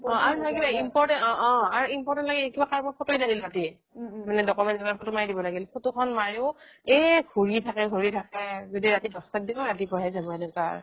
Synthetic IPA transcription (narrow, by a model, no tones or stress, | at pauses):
ɔ̃aɹunakibaimpɔɹtɛnɔ̃ʔɔ̃aɹuimpɔɹtɛntlaɡikibakaɹbɔɹpʰɔtoilaɡilɹati | manɛdɔkɔmɛnzɛmapʰotʊmajdibɔlaɡilpʰotukʰɔnmaɹiʊɛɡʱuɹitʰakɛɡʱoɹitʰakɛzodiɹatidʱɔstat̚dibɔɹatipɔɹɛzabɔɛnɛka̰ɹ